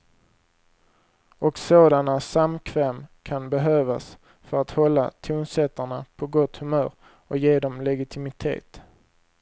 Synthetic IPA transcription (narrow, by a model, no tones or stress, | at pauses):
ɔksoːd̪anasamkʰvɛːmkʰanbɛɦøːvas | fœɾat̪hɔlːa̰t̪ʰuːnsɛt̪ːəɳapʰɔɡɔt̪hɵmœ̰ːɾ | ɔjeːd̪ɔmlɛɡɪt̪ʰɪmɪt̪ʰḛːt̪